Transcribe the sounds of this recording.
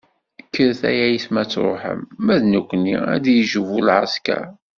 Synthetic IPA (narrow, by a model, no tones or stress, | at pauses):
əkʰːəɾθæ̰jæjəsmæt͡sːɾˤo̰ħə̰mːæðnukʷːnːḭæ̰d̪jəʒəvulʕaskæ̰